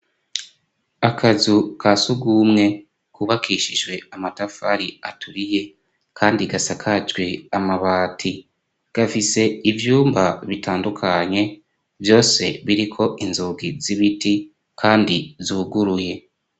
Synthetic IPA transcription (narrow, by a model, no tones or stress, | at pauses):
akʰazukʰasuɡuːmŋe̞ | kuβakʰiʃiʒwe̞amatafaɾiatʰuɾije̞ | kʰaːndiɡasakʰat͡ʃɡweamaβaːtʰi | ɡ̥afise̞ivjuːmbaβitʰaːndukʰaɲe̞ | vjo̞ːse̞βiɾikʰo̞ʔinzuɡiziβiti | kʰaːndizuːɡuɾuje̞